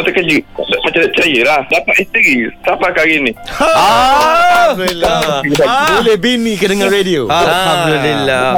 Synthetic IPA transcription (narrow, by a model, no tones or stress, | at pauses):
t̪əkəd͡ʒɨpat͡ʃadaʔt͡ʃajəlahdapat̪ist̪iɾisapakaɣɪnia | ilaiabolɛhbinikədəŋãnredioaaalhamd̪ulilːa